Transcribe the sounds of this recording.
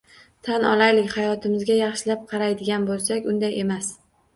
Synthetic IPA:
t̪ʰanɒ̰lajlɪkʲhajɒt̪ʰɪmɪzɡʲajɑχʃɪlap̚qʰɑɾajd̪ɪɡʲanbolˠsakʲʊnd̪aje̞mas

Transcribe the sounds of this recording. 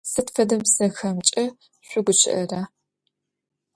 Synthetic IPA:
sɨtfɐdɐmsɐxɐmt͡ʃʼɐ | ɕʷʊɡʷʊt͡ʃʰɪ̰ʔɐraː

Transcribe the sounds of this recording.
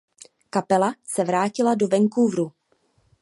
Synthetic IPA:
kapɛlasɛvɾaːcɪladovɛŋkuvɾu

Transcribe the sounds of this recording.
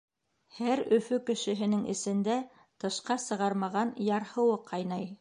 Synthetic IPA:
hæɾɵ̆fɵkɘ̆ʃɘ̆ɦɘ̆nɘŋɘ̰̆sɘ̆nd̪æ | t̪ɤ̆ʃqɑsɤ̆ʁɑɾmɑʁɑnjɑɾhɤ̆wɤqʰɑjnɑj

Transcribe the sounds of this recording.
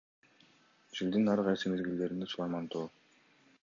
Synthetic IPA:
d͡ʒild̪inɑɾqɑjsɯme̞zɡild̪e̞ɾind̪esulˠɑɾmɑnt̪oː

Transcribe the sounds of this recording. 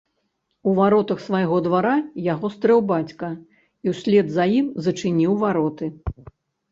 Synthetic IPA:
uvaɾɔt̪ɐxsvajɣɔd̪vaɾajaɣɔst̪ɾɛwbat͡sʲkɐ | iwsʲlʲɛd̪zɐjimzɐt͡ʂɨnʲiwvaɾɔt̪ɨ

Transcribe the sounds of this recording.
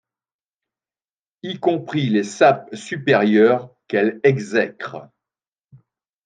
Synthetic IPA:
ikɔ̃pχilesap̚sypɛʁjœʁkɛlɛɡzɛkχ

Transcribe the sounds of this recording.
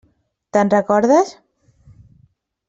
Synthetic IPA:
t̪ənrəkɔɾðəs

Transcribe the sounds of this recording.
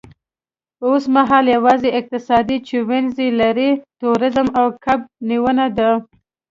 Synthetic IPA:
osmaɦɑljawɑzeɪq̚t̪ɪsɑd̪it͡ʃewɪnzelaɾit̪uɾɪzəmawkʰab̚niwənad̪a

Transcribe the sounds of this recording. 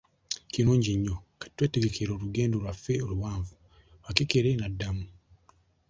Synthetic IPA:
kinuːɲɟiɲːokḁtwe̞ːteɡe̞kʰeɾo̞ːluɡe̞ːndolwafeoluwaːɱvu | wakekeɾenadːamu

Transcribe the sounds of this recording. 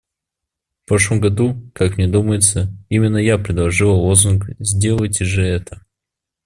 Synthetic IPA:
fpɾoʂlˠəmɡɐd̪ukakmnʲed̪uməjɪt̪səimʲɪnːəjapɾʲɪd̪lˠɐʐɨlˠəlˠozunkzʲdʲe̞lˠətʲɪʐɛɛt̪ə

